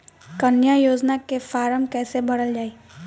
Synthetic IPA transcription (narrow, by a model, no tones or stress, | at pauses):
kɐnjajoːd͡ʒnakefaːɾəmkɛːsebɐɽəld͡ʒaːeː